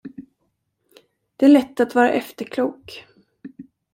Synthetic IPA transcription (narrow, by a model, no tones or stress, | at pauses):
d̪̥ɛæɭɛt̪ːat̪vɑːɾa̰ʔɛft̪əɾkʰluːk